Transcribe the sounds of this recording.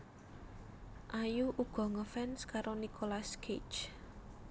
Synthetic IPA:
ʔajuʔuɡ̥ɔ̤ŋəfɛnskaɾonikʰolaskʰet͡ʃ

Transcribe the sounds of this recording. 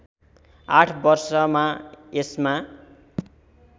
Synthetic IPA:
aʈʰbʌrsʌmaesma

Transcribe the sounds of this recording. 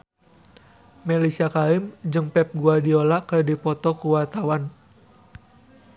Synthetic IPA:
mɛlisiakaɪmd͡ʒɨŋpɛp̚ɡuadiolakɨrdipɔt̪ɔkuwart̪awan

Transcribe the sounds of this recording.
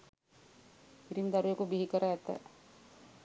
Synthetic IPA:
piɾimd̪aɾujekubiɦikəɾaːt̪ːə̰

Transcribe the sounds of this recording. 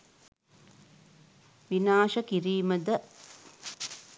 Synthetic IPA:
ʋinaːʃəkiɾiːməd̪ə

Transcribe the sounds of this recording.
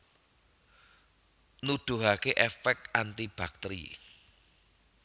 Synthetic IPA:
nud̪̥o̤ɦakeʔɛfɛk̚t̪ant̪ib̥ak̚t̪ɾḭ

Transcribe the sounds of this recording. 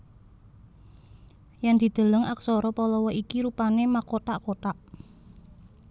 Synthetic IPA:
jand̪̥i̤d̪̥ə̤ləŋʔaksɔɾɔpɔlɔwɔikiɾupanemakoʈaʔkoʈaʔ

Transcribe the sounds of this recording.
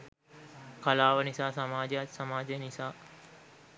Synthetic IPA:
kalaːʋənisaːsɐmaːd͡ʒejat̪samaːd͡ʒejnisaː

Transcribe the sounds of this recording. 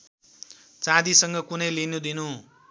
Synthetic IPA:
t͡sãd̪isʌŋɡʌkunʌjlinud̪inu

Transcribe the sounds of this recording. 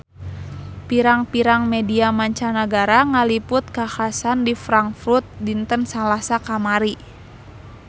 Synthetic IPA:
piɾaŋpiɾaŋmɛdiamaɲt͡ʃanaɡaɾaŋalipʊt̪̚kaxasandifɾaŋfɾut̪̚dint̪ənsalasakamaɾi

